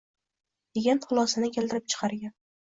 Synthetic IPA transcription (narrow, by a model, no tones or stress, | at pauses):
eɡʲant̪χʊlˠɒsanɪkʲʰeld̪ɪɾɪp̚t͡ʃʰɨ̥qʰɑɾɡʲan